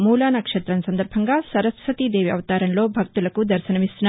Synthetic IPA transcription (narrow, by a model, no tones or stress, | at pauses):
muːlaːnɐkʂet̪ɾɐnsɐnd̪ɐɾbʱɐŋɡasɐɾɐsʋɐt̪id̪eːʋjɐ̰ʋɐt̪aːɾɐnloːbʱɐk̚t̪ulɐkud̪ɐɾʃɐnɐʋisna